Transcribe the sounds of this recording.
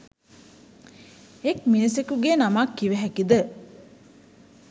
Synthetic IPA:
ekminisekuɡenamakːiʋeɦækid̪ə

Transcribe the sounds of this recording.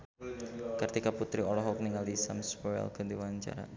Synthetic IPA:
kɨrt̪ikaput̪ɾiɔlɔɦɔk̚niŋaldisa̰mspɔjɛ̰lkədiwaɲt͡ʃa̰ɾa̰

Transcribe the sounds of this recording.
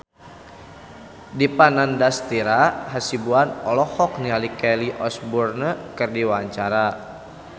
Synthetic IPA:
dipanandast̪iɾaɦasibuanɔlɔhɔk̚nialikɛliʔɔsburnəkərdiwaɲt͡ʃaɾa

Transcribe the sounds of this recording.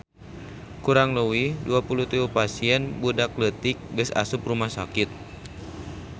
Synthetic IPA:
kuɾaŋləwiduapulut̪iupasiɛnbudaklət̪ik̚ɡəsa̰sup̚rumahsakɪt̪̚

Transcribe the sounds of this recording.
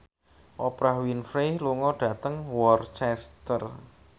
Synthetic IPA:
ʔɔpɾahwinfɾehluŋɔɖ̥ä̤t̪əŋwɔrt͡ʃɛst̪ər

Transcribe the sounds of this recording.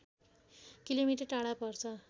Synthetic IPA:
kilomiʈʌʈaɽapʌrt͡sʰʌ

